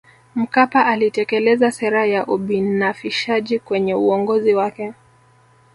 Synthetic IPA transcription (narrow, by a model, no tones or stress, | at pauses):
m̩kapaʔalitɛkɛlɛzasɛɾajaʔuɓinafiʃaʄikwɛɲɛuɔŋɡɔziwakɛ